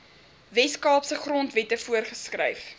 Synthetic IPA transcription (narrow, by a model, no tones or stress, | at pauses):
vɛskɑːpsəχrɔntvɛtəfuərχəskrə̰jf